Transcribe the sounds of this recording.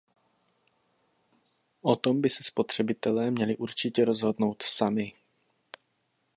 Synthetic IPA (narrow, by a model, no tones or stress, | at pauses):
ʔot̪o̞mbɪsɛspo̞t̪r̝̥ɛbɪt̪ɛlɛːmɲɛlɪʔuɾt͡ʃɪcɛɾo̞zɦo̞dno̞wt̪samɪ